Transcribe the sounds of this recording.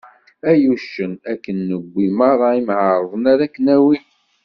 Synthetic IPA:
æjuʃːənækːənːəɡʷːiməɾˤɑimʕəɾˤðˤənaɾækːənæwi

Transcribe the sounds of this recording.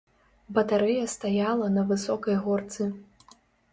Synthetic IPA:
bɐt̪aɾɛjɐst̪ajalˠɐnɐvɨsɔkɐjɣɔrt̪sɨ

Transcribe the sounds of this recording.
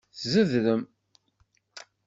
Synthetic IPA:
θzəðɾəm

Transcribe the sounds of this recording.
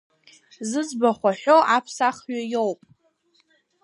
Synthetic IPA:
zɨd͡zbaχʷaħʷᶣo̞ʔapʰsaχɥajowpʼ

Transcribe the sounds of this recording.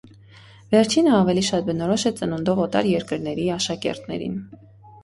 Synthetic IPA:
vɛɾt͡ʃʰinəɑvɛliʃɑt̪̚bənɔɾɔʃɛt͡sənund̪ɔvɔt̪ɑ̰ɾjɛɾkəɾnɛɾiɑʃɑkɛ̰ɾt̪nɛ̰ɾḭn

